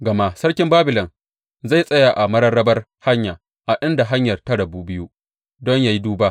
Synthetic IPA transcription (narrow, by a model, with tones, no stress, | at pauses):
ɡɐ˨ma˦sɐ˦rkʲɪ˦mbaː˦bɪ˨lɔ˨n | za˦˨jsʼɐ˦ja˨ʔa˨mɐ˦ɽɐ˦rːɐ˦bɐ˦r | ha˦ɲjaː˨ | ʔa˨ʔɪ˦nda˨ɦa˦ɲjɐ˨rta˦ɽɐ˨buː˦bɪ˦ju˦ | dɔ˦ɲjaː˨ji˦duː˦baː˦ʔ